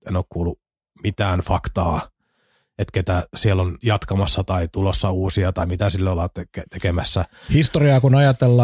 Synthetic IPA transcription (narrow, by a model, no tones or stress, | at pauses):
enoːkkuːlːu | mit̪æːnfɑkt̪ɑː | et̪ket̪æsielːonjɑt̪kɑmɑsːɑt̪ɑit̪ulosːɑuːsiɑt̪ɑimit̪æsilːolːɑt̪eket̪ekemæsːæhist̪oriɑːkunɑjɑt̪elːɑː